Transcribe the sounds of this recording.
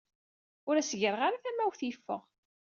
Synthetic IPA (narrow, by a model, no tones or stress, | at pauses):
ʊɾæsəʝəɾˤəʁaɾaθæmːæwθjəfːə̰ʁ